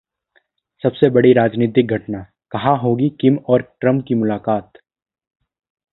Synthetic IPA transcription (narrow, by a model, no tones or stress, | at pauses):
sɐbsebɐɽiɾaːd͡ʒniːt̪̬ɪk̚ɡʱɐʈna | kɐɦãɦoːɡikɪmɔːɾʈɾɐmkimʊlaːkaːt̪